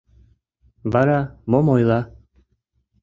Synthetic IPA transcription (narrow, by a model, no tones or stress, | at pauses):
baɾamomojla